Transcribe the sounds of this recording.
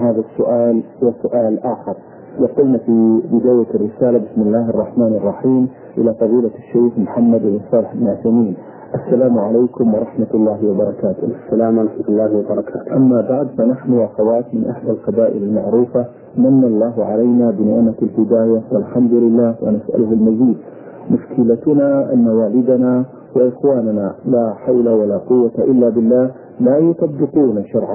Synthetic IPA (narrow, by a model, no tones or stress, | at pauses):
haːðasːʊʔaːlhʊwasʊʔaːlʔaːxɪɾˤ | jɑqʊlnafibɪd̪aːjarːɪsaːlabɪsmɪlːaːhɑrˤːɑħmaːnɑrˤːɑħiːm | ʔɪ̰lafɑðiːlaʃːajxmʊħamːad̪ɪbsˤɑːlɪħɪbnʕasamiːn | ʔasːalaːmʕalajkʊmwɑɾˤɑħmat̪ɑlˤːɑːhɪwɑbɑɾˤɑkaːt̪ʊːalaːmʔɑħmat̪lːaːhwɑbɑɾˤɑkaːt̪ʔamːabaʕd̪fanaħnʊʔaxawaːt̪mɪnʔaħd̪alqɑbaːʔɪ̰lalmaʕɾuːfa | manːalˤːɑːɦʕalajnabɪnɪʕmalhɪd̪aːjawalħamd̪ʊlɪlːaːhwa̰nasʔa̰lʊhalmaziːd̪̚ | mʊʃkɪlat̪ʊnaʔa̰nːawaːlɪd̪ana | wɪʔɪxwaːnanalaːħawlawalaːqʊwːat̪aʔɪlːabɪlːaːh | laːjʊt̪ˤɑbːɪquːnaʃɑɾˤʕa